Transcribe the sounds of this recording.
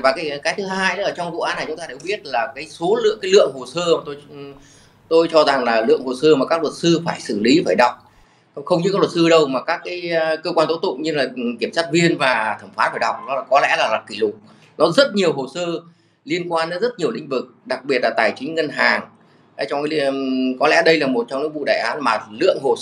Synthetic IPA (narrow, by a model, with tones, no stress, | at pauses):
vaː˨˩kaː˨˦jkaː˨˦jt̪ʰɨ˨˦ɦhaː˧jə˨˦ʔəː˧˩t͡ɕɔ˧ŋ͡mvṵ˧˨ʔaː˨˦na˨˩t͡ɕʊ˨˦ŋ͡mtaː˧ɨ˨˩ɓi˦˥ət̚laː˨˩kaː˨˦jso˨˦lɨ̰˧˨ŋkaː˨˦jlɨ̰˧˨əŋho˨˩səː˧maː˨˩t̪o˧j | t̪o˧jt͡ɕɔ˧za˨˩ŋlaː˨˩lɨ̰˧˨əŋho˨˩səː˧maː˨˩kaː˦˥k̚lwə˨˩t̚sɨ˧faː˧˩jsɨ̰˧˩li˨˦faː˧˩jɗa˨˩wk͡p̚ | xə˧wŋ͡mɲɨ˧˥kaː˦˥klwə˨˩t̚sɨ˧ɗə˧wmaː˨˩kaː˦˥kːaː˨˦jkːə˧kwaː˧nt̪o˦˥t̪ʊ̰˧˨ŋ͡mɲɨ˧laː˨˩ki˧˩əmsaː˦˥t̚vi˧ənvaː˨˩t̪ʰə˧˩mfaː˨˦˥faː˧˩jɗa˨˩wk͡p̚nɔ˨˦aː˨˩kɔ˨˦lɛ̰˧˥laː˨˩laː˨˩ki˧˩lʊ˨˩k͡p̚ | nɔ˨˦zə˦˥t̚ɲi˨˩əwɦo˨˩səː˧ | li˧ənkwaː˧nːə˨˦zə˦˥t̚ɲi˨˩əwlḭ̈˧˨ŋ̟vɨ˨˩k̚ɗa˨˩k̚ɓi˨˩ət̚laː˨˩t̪aː˨˩jt͡ɕï˨˦ŋ̟ŋə˧nɦaː˨˩ŋ˨˦ | t͡ɕɔ˧wŋ͡mkaː˨˦kɔ˨˦lɛ̰˧˥ɗə˧jlaː˨˩mo˨˩t̚t͡ɕɔ˧wŋ͡mɲɨ̰˧˦˥ŋ̚vṵ˧˨ɗaː˧˩jʔaː˨˦nmaː˨˩lɨ̰˧˨əŋɦo˨˩